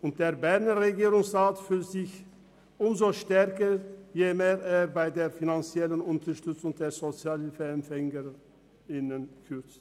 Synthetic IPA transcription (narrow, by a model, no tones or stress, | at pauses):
ʔʊnt̚d̥eːɐbɛʁnəʁeɡiːʁʊŋsʁaːtfyltz̥ɪç | ʔʊmzoʃtɛɐkəjemeːʁeːɐbaɪdeːɐfinant͡sjɛlənʊntɐʃtʏt͡sʊŋd̥eːɐzot͡sjaːlɛnfɛɛmfɛŋə | ɪnənkʰʏt͡st